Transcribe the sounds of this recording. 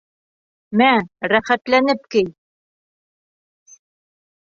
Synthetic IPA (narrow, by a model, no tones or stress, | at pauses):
mæɾæχæt̪lænɘp̚kɘj